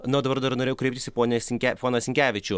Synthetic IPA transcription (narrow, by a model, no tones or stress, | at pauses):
nʊːd̪ɐbɐɾd̪ɐɾnoɾʲeːjɛʊkɾʲɛɪpt̪ʲɪsʲɪpoːnʲɛsʲɪŋʲkʲæpoːnɐsʲɪŋʲkʲæːʋʲɪt͡ʃʲʊ